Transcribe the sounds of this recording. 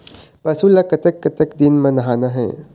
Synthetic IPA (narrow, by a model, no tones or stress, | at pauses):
pɐsulakɐt̪əkːɐt̪əkd̪inmɐ̃nɐɦaːnaɦɛ̰̃ː